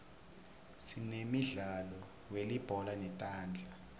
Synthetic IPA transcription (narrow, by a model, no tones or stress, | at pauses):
sinemiɮalɔ | welib̥ʱɔlanɛtʼaːnd͡ɮʱa